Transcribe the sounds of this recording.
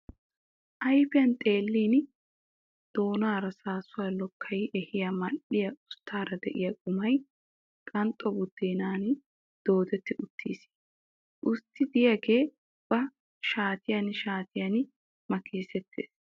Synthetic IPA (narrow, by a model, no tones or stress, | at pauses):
ʔɐjfɪjɐnt̪ʼeːlːiːn | d̪̥o̞ːnaːɾɐsaːsʊwaːlɔkʰːɐjʔɛhɪjɐmɐᶑːɪjɐʔʊst̪ʰːaːɾɐd̪ɛʔɪjɐkʼʊmɐj | kʼɐnt̪ʼːɔbʊd̪̥ːeːnaːn | d̪̥o̞ːd̪ɛt̪ːɪʔʊt̪ʰːiːsi̥ | ʔʊst̪ːɪd̪ɪjɐɡe̞ː | b̥ɐ | ʃaːt̪ɪjɐnʃaːt̪ɪjɐn | mɐkiːsɛt̪ʰːḛːs